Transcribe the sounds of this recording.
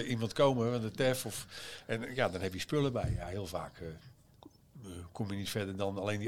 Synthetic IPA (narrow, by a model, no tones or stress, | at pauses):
ʔimɑntkowməʋandətɛfɔfɛnjadɔnɦɛpjəspøləbɛjaɦɪəlˠva̰ːk | kʰɔmjənitfɛdərdɔnalejndi